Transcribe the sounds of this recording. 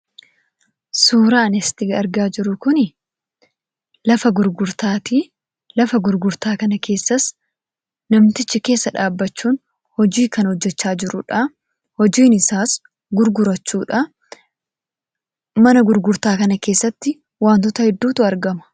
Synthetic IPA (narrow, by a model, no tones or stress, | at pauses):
suːɾaːnɛst̪ɪɡɐɾɡaːd͡ʒɪɾʊkʊnɪ | lɐfɐɡʊɾɡʊɾt̪aːt̪iː | lɐfɐɡʊɾɡʊɾt̪aːkɐnɐke̞ːsːɐs | nɐmt̪ɪt͡ʃːɪke̞ːsːɐᶑaːbːɐt͡ʃːuːn | hɔd͡ʒiːkɐnhɔd͡ʒːɛt͡ʃːaːd͡ʒɪɾʊᶑɐ | hɔd͡ʒiːnɪsaːs | ɡʊɾɡʊɾɐt͡ʃːuːᶑɐ | mɐnɐɡʊɾɡʊɾt̪aːkɐnɐke̞ːsːɐt̪ːɪ | waːnt̪ɔt̪ɐhɛd̪ːuːt̪ʊɐɾɡɐmɐ̥